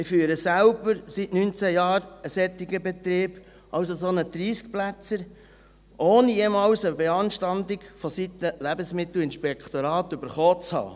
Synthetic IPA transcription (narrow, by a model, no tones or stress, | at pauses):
ɪfyːɾəsæʊbəɾsitnynt͡sæjɑːɾəsɛt̪ːɪɡəbɛt̪ɾeːb̥ | ʔɑwsosonəd̥̪ɾiːsk̚plæt͡səɾ | ʔoːnijemɑːlsəbɛɑnʃtɑnd̪ɪkfɔsit̪əlæbəsmɪt̪l̩ɪnʃpɛkχt̪oɾɑːt̪ʏbəɾχoːt͡shɑ̰ː